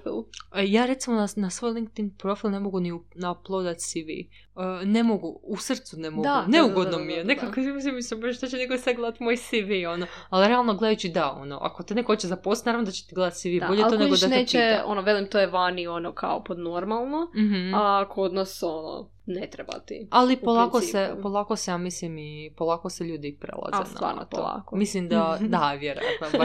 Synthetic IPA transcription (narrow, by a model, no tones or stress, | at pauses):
fḭlˠjaːɾe̞t̪simo̞nanasʋo̞jlˠiŋk̚t̪inpɾo̞filˠne̞mo̞ɡuniunaplˠod̪at̪siʋḭ | ənemoɡuusr̩t̪sunemod̪ɡuneuɡod̪nomijenekakmis̬imːislimboʒeʃt̪at͡ʃenekosad̪̚ɡled̪at̪mojsiʋio̞noaliɾealˠnoɡled̪ajuːt͡ʃid̪ao̰no̰ʔa̰kot̪inekohot͡ʃezaposnaɾavnod̪at͡ʃet̪iɡled̪at̪siʋiboʎeloneod̪asnet͡ʃeo̰noʋelimt̪ojeʋanionokʰa̰opod̪noɾmalˠnom̩ɦ̩akood̪nosono̰ | net̪ɾeba̰t̪ḭalˠippolˠakosepolˠakosejamislimipolˠaːkoseʎuːd̪iipɾḛlˠa̰zḛna̰a̰ɾno̰t̪olˠa̰komislimd̪ad̪aʋjeɾo̰ja̰t̪no